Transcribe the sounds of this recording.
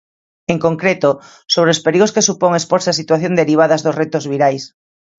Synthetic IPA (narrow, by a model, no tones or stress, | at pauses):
eŋkoŋkɾet̪o | soβ̞ɾeospeɾiɣ̞oskesupoŋespoɾseasit̪waθjond̪eɾiβ̞aðɐzðosret̪ozβiɾajs